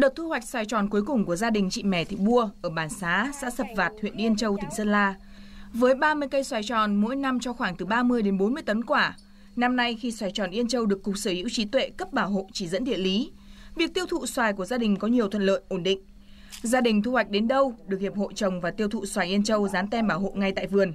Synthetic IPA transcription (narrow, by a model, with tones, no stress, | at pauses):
ɗə˨˩t̚t̪ʰu˧ha˨˩jk̟̚swaː˨˩jt͡ɕɔ˨˩nku˨˦jkʊ˨˩ŋ͡mku˧˩əzaː˧ɗï˨˩ŋ̟t͡ɕḭ˧˨mɛ˧˩t̪ʰi˧˩ɓu˧əʔʔəː˧˩ɓaː˧˩nsaː˨˦sa̰ː˧˥sə˨˩p̚vaː˨˩t̚hḭ˧˨ənʔi˧ənt͡ɕə˧wt̪ʰï˨˩ŋ̟sə˧nlaː˧ | vəː˨˦jɓaː˧mɨ˧əjkə˧jswaː˨˩jt͡ɕɔ˨˩nmo̰˧˥jna˧mt͡ɕɔ˧xwaː˧˩ŋt̪ɨ˨˩ɓaː˧mɨ˧əjɗe˨˦nɓo˨˦nmɨ˧əjt̪ə˨˦nkwaː˧˩ | na˧mna˧jxi˧swaː˧˩jt͡ɕɔ˨˩nʔi˧ənt͡ɕə˧wɗɨ˨˩əkːʊ˨˩k͡p̚səː˧˩hḭ˧˥əwt͡ɕi˨˦t̪wḛ˧˨kə˦˥p̚ɓaː˧˩wɦo̰˧˨t͡ɕi˧˩zə̰˧˥nɗḭ˧˨ənli˨˦vi˨˩ək̚t̪i˧əwt̪ʰṵ˧˨swaː˨˩jku˧˩əzaː˧ɗï˨˩ŋ̟kɔ˨˦ɲi˨˩əwt̪ʰwə̰˧˨nlə̰ː˧˨jʔo˧˩nɗḭ̈˧˨ŋ̟ | zaː˧ɗï˨˩ŋt̪ʰu˧hwa˨˩jk̟̚ɗe˨˦nɗə˧wɗɨ˨˩ək̚hi˨˩əp̚ho̰˧˨t͡ɕə˨˩wŋ͡mvaː˨˩t̪i˧əwt̪ʰṵ˧˨swaː˨˩jʔi˧ənt͡ɕə˧wzaː˨˦nt̪ɛ˧mɓaː˧˩who̰˧˨ŋa˧jt̪a̰ː˧˨jvɨ˨˩ən